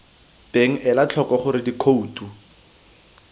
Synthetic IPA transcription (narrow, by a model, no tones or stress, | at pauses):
b̥eŋ̩ʔɛlat͡ɬʰɔkɔχʊɾɪdikʰouːtʰʼu